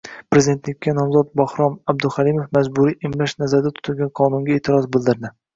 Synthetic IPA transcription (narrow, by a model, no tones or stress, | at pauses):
pɾezid̪ent̪lɪk̚ʲːanɒmzɒt̪̚bɒhɾɒmab̚d̪ʊχalimofmazbʊɾiʔɪmlaʃnazaɾd̪at̪ʰʊ̥t̪ʰʊlɡʲanqʰɒnʊŋɡʲaeːt̪ʰɪɾɒzbɪld̪ɪɾd̪ɪ